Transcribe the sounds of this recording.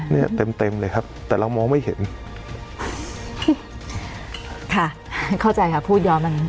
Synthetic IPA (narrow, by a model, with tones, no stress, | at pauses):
ni˥˩ɐt̪e˧mt̪e˧mlɤː˧jkʰa˦˥p̚t̪ɛː˨˩ɾa˧wmɔː˧ŋma˥˩jhe˩˦n˥˩ | kʰa˥˩ | kʰa˥˩wt͡ɕa˧jkʰa˦˥˩pʰuː˥˩t̪̚jɔː˧mːa˧n